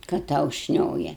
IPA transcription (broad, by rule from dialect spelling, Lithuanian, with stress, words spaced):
kɐt ˈtɐʊ ˈʃʲnʲoːjɛ